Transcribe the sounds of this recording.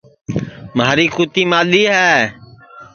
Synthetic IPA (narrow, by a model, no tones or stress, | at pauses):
maːɾiːkuːt̪iːmaːɗiːɦɛː